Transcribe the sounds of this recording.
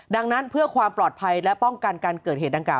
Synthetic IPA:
da˧ŋna˦˥npʰɯ˥˩ɐkʰwaː˧mplɔː˨˩t̪̚pʰa˧jlɛ˦˥pɔ˥˩ŋka˧nkaː˧nkkɤː˨˩t̪̚eː˨˩t̪̚da˧ŋklaː˨˩w

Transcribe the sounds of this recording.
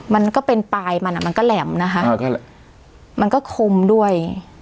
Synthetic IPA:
ma˧nkɔː˥˩pe˧npaː˧jma˧nʔa˨˩ma˧nkɔː˥˩lɛː˩˦mna˦˥kʰa˦˥ʔ | ma˧nkɔː˥˩kʰo˧mdu˥˩əj

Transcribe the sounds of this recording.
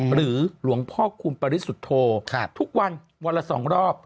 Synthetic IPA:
ɾɯː˩˦lu˨˩˦əŋpʰɔː˥˩kʰuː˧npa˧ɾi˦˥su˨˩t̪ʰːoː˧kʰt̪ʰu˦˥k̚wa˧n | wa˧lːa˧sɔ̰ː˩˦ŋɾɔː˥˩p̚

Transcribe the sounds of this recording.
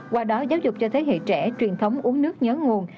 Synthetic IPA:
kwaː˧˩ɗɔ˨˦zaː˨˦wzʊ˨˩k͡p̚t͡ɕɔ˧t̪ʰe˨˦ɦḛ˧˨t͡ɕɛ˧˩t͡ɕwi˨˩ənt̪ʰə˨˦wŋ͡mʔu˨˦əŋnɨ˦˥ək̚ɲəː˨˦ŋu˨˩ən

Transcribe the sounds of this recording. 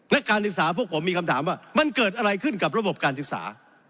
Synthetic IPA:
na˦˥kaː˧nsɯ˨˩k̚saː˩˦˥pʰu˥˩pʰo˩˦miː˧kʰa˧mt̪ʰaː˩˦mwaː˥˩ma˧nkɤː˨˩t̪̚ʔa˧ɾa˧jkʰɯ˥˩nka˨˩p̚ɾa˧bo˨˩p̚kaː˧nsɯ˨˩k̚sa̰ː˩˦

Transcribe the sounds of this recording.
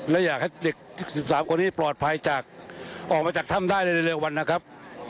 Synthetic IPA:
lɛː˦˥wjaː˨˩k̚ha˥˩jde˨˩k̚i˦˩si˨˩p̚saː˩˦mkʰo˧nːiː˦˥plɔː˨˩t̪̚pʰa˧jt͡ɕaː˨˩k̚ʔɔː˨˩k̚maː˧t͡ɕaː˨˩k̚t̪ʰa˥˩mdaː˥˩jla˧˩lɯː˧lɯ˧wa˧nː˦˥kʰa˦˥p̚

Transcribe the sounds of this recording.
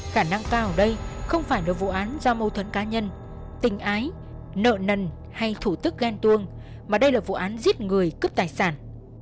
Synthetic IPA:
xaː˧˩na˧ŋkaː˧wɗə˧jxə˧wŋ͡mfaː˧˩jɗɨ˨˩ək̚vṵ˧˨ʔaː˨˦nzɔ˧mə˧˩wt̪ʰwə̰˧˨nkaː˨˦ɲə˧n | t̪ï˨˩ŋ̟ʔaː˨˦j | nə̰ː˧˨nə˨˩n | ha˧jt̪ʰu˧˩t̪ɨ˦˥k̚ɣɛ˧nt̪ɨ˧əŋ | maː˨˩ɗə˧jlaː˨˩vṵ˧˨ʔaː˨˦nzi˦˥ət̚ŋɨ˨˩əjkɨ˦˥p̚t̪aː˨˩jsaː˧˩n

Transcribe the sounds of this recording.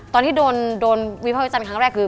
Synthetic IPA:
t̪ɔː˧nt̪ʰiː˥˩doː˧ndoː˧nwi˦˥pʰaː˥˩wi˦t͡ɕaː˧nkʰa˦˥ŋɾɛː˥˩kʰɯː˧

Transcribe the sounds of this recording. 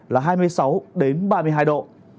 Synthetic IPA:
laː˨˩ɦaː˧jmɨ˧əjsa˨˦wɗe˨˦nɓaː˧mɨ˧ɦaː˧jɗo̰˧˨

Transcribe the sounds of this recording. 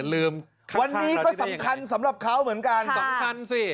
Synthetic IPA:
lɯː˧m | kʰwa˧nː˧iː˦˥kɔː˥˩a˩˦mkʰa˧nsa˩˦mɾa˨˩p̚kʰa˦˥wmɯ˩˦nka˧nsa˨˦mkʰa˧nsi˥˩

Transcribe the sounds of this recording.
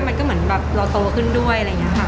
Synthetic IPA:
ma˧nkɔː˥˩m˩˦ənbɛː˨˩p̚ɾaː˧t̪oː˧kʰɯ˥˩ndu˥˩əjaɾa˧ŋi˦˥ɐkʰa˥˩

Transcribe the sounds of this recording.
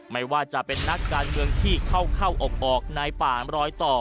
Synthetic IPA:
ma˥˩jwaː˥˩t͡ɕa˨˩ʔpe˧nːa˦˥kːaː˧nmɯ˧əŋt̪ʰiː˥˩kʰa˥˩wkʰa˥˩wʔo˨˩k̚ʔɔː˨˩k̚naː˧jpaː˨˩ɾɔː˦˥jt̪ɔː˨˩

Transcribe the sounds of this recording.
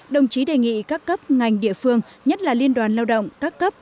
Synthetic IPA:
ɗə˨˩wŋ͡mt͡ɕi˨˦ɗe˨˩ŋḭ˧˨kaː˦˥kːə˦˥p̚ŋa˨˩jŋ̟ɗḭ˧˨əfɨ˧əŋɲə˦˥t̚laː˨˩li˧ənɗwaː˨˩nlaː˧wɗə̰˧˨wŋ͡mkaː˦˥kːə˦˥p̚

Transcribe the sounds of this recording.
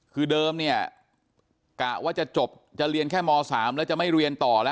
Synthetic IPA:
kʰɯː˧dɤː˧mni˥˩ɐ | kaː˨˩waː˥˩t͡ɕa˨˩t͡ɕo˨˩p̚ | t͡ɕa˨˩ɾi˧ənkʰɛː˥˩mɔː˧saː˩˦mlɛ˦˥wt͡ɕa˨˩ma˥˩jɾi˧ənt̪ɔː˨˩lɛ˦˥

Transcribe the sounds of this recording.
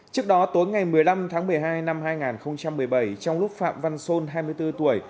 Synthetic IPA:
t͡ɕɨ˦˥ək̚ɗɔ˨˦t̪o˨˦jŋa˨˩jmɨ˨˩əjla˧mt̪ʰaː˨˦ŋmɨ˨˩əjɦaː˧jna˧mɦaː˧jŋaː˨˩nxə˧wŋ͡mt͡ɕa˧mːɨ˨˩əjɓa˧˩jt͡ɕɔ˧wŋ͡mlʊ˦˥k͡p̚fa̰ː˧˨mva˧nso˧nɦaː˧jmɨ˧əjt̪ɨ˧t̪u˧˩əj

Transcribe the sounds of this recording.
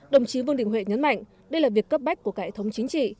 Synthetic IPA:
ɗə˨˩wŋ͡mt͡ɕi˨˦və˧ŋɗï˧˩ŋ̟wḛ˧˨˩ɲə˨˦nma̰˧˨jŋ̟ | ɗə˧jlaː˨˩vi˨˩əkːə˦˥p̚ɓa˦˥jk̚ku˧˩əkaː˦e˧˩t̪ʰə˨˦wŋ͡mt͡ɕï˨˦ŋ̟t͡ɕḭ˧˨

